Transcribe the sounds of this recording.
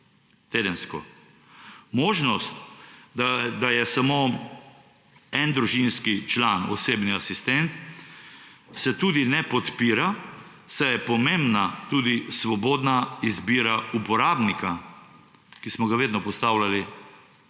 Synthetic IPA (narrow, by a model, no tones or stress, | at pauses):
t̪eːd̪ənskɔ | moːʒnɔst̪ | d̪ajɛsamo | ɛnd̪ɾuʒinskit͡ʃlaːnɔ̰seːbniasist̪ɛnt̪ | sɛt̪uːd̪inɛpɔt̪piːɾa | sajɛpɔmembnat̪uːd̪isʋɔboːd̪naizbiːɾaupɔɾaːbnika | kismɔɡaʋeːd̪nɔpɔst̪awlali